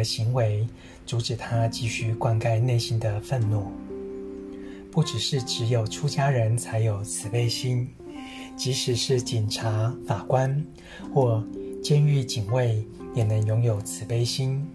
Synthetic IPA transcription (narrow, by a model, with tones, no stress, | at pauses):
ɕi˧˥ŋwe˧˥ɪ | t͡su˧˥ʈ͡ʂɻ̩˨˩t̪ʰa˥t͡ɕi˥˧ɕy˥kwa˥˧nka˥˧ɪne˥˩ɪɕi˥nd̪ə˨fə˥˧nnu˥˩ | pu˥˩ʈ͡ʂɻ̩˨˩ʂɻ̩˥˩ʈ͡ʂɻ̩˧˥jo˨˩ʊʈ͡ʂʰu˥t͡ɕja˥ɻə˧˥nt͡sʰa˧˥ɪjo˨˩ʊt͡sʰɹ̩˨˩pe˥˧ɪɕi˥n | t͡ɕi˧˥ʂɻ̩˨˩ʂɻ̩˥˩t͡ɕi˨˩nʈ͡ʂʰa˧˥fa˨˩kwa˥n | xwɔ˥˩t͡ɕjɛ˥ny˥˩t͡ɕi˨˩ŋwe˥˩ɪ | jɛ˨˩nə˧˦ŋjʊ˧˥ŋjo˨˩ʊt͡sʰɹ̩˨˩pe˥˩ɪɕi˥n